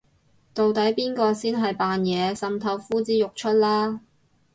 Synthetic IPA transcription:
t̪o˨wt̪ɐ˨˥jpiː˥nkɔː˧siː˥nɦɐ˨jpaː˨njɛː˨˧sɐ˨mt̪ʰɐ˧˥wfuː˥t͡siː˨˥jʊ˨k̚t͡ʃʰɵ˥t̚laː˥

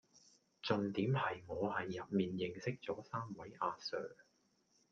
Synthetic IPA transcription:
t͡sɵ˨ŋt̪iː˨˥mhɐ˨jŋɔː˨˧hɐ˨jːɐ˨p̚miː˨njɪ˨ŋsɪ˥k̚t͡sɔː˨˥saː˥mwɐ˨˥jʔaː˧sœ̰ː˨

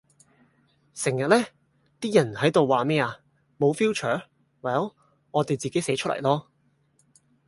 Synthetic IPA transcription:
sɪ˨˩ŋjɐ˨t̚lɛː˥ | t̪iː˥jɐ˨˩nhɐ˨˥jt̪o˨wwaː˨mɛː˥aː˨˧ | mo˨˧wfiː˥wt͡ʃʰœː˨˥ | waː˨˩jɐ˨˥w | ŋɔː˨˧t̪e˨jt͡siː˨ke˨˥jsɛː˨˥t͡ʃʰɵ˥lɐ̰˨˩jlɔː˥

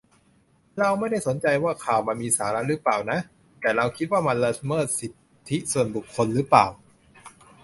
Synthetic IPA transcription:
ɾa˧wma˥˩jda˥˩jso˩˦nt͡ɕa˧jwaː˥˩kʰaː˨˩wma˧nmiː˧saː˩˦ɾa˦˥ʔɾɯ˦˥paː˨˩wna˦˥ʔ | t̪ɛː˨˩ɾa˧wkʰi˦˥t̪̚waː˥˩ma˧nla˧mɤː˥˩t̪̚si˨˩t̪ʰːi˦˥su˨˩ənbu˨˩kʰːo˧nɾɯ˦˥plaː˨˩w

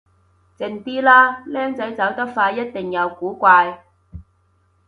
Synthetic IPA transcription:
t͡sɪ˧ŋt̪iː˥laː˥lɛː˥ŋt͡sɐ˨˥jt͡sɐ˨˥wt̪ɐ˥k̚faː˧jɐ˥t̚t̪ɪ˨ŋjɐ˨˧wkuː˨˥kʷaː˧j

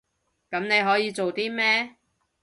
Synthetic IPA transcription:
kɐ˨˥mne˨˧jɦɔː˨˥jiː˧t͡so˨wt̪iː˥mɛː˥

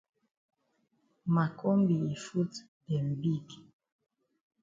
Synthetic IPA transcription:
ma˨kʰɔ˦mbi˨e˨fu˦t | dɛ˨m̩˨bi˦ɡi˨

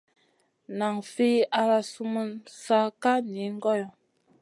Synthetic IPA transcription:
na˨ŋfi˦ʔa˦ɾa˦su˦mə˦nsa˦ka˦ni˨˦ŋ˦ɡɔ˦jɔ˨

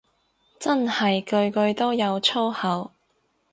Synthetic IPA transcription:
t͡sɐ˥nhɐ˨jkɵ˧ɥkɵ˧ɥt̪o˥wjɐ˨˧wt͡sʰo˥whɐ˨˧w

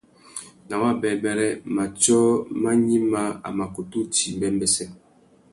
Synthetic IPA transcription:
na˨wa˦bɛ˨bɛ˦ɾɛ˦ma˨t͡ʃɔ˦ma˦ɲi˦ma˦a̰˨ma˨ko˨tu˦ti˨mbɛ˦mbɛ˦sɛ˦

